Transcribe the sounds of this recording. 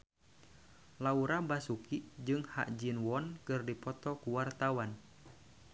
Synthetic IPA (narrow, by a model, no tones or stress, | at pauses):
lauɾabasukid͡ʒɨŋha̰ʔd͡ʒinwɔnkɨrdipɔt̪ɔkuwart̪awan